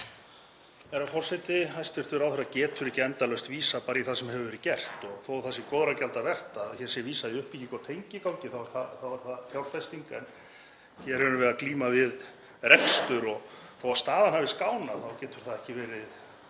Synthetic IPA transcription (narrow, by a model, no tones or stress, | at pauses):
ɛɾawfɔr̥sɛjt̪ɪɦajst̪ɪɾ̥t̪ʏɾawθɛɾacɛːt̪ʰʏɾɪcɛnt̪alœst̪viːsapaːɾiθasɛmhɦɛvʏvɛɾɪcɛr̥t̪ɔɣθowθasɪmkɔːðɾacalt̪avɛr̥t̪aðçɛɾ̥sjɛviːsaðɪʏhpiikawt̪ʰejɲcɪkawɲcɪθawaɾθaθavaɾ̥θaðθjawɾ̥fɛst̪iŋkaɛn | çɛɾ̥hɛɾʏvɛðakliːmavɪð | ɾɛkst̪ʏɾɔɣθowast̪aːðanɦhavɪskaːwnaθawcɛːt̪ʏɾ̥θaðɛhcɪvɛːɾɪð